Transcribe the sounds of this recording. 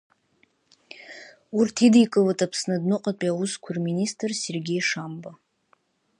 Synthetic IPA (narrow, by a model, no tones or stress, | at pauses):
urtʰidikʼɨlatʼapʰsnadnɨqʼapʼiawuskʷʰarministʼrse̞rɡʲe̞jʂamba